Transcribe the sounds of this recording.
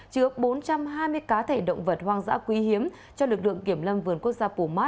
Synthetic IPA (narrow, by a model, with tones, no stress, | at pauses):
t͡ɕɨ˨˦əɓo˨˦nt͡ɕa˧mɦaː˧jmɨ˧əjkaː˨˦t̪ʰe˧˩ɗə̰˧˨wŋ͡mvə˨˩t̚hwaː˧ŋza̰ː˧˥kwi˨˦hi˨˦əm | t͡ɕɔ˧lɨ˨˩k̚lɨ̰˧˨əŋki˧˩əmlə˧mvɨ˨˩ənku˦˥ək̚zaː˧pu˧˩maː˦˥